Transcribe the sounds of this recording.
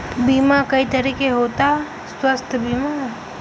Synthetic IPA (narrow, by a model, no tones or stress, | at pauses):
biːmakɐit̪ɐɾiːkeɦoːt̪aɦɛ | swəst̪ʰbiːmaɦ